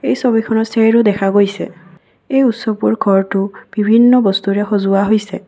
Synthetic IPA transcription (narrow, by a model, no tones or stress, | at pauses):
ejsobikʰɔnɔseɹʊdɛkʰaɡojsɛ̰ | ejutsɔpuɹɡʱɔɹtʊb̥ibʱinːɔbɔst̪uɹɛxozʊwaɦojsɛ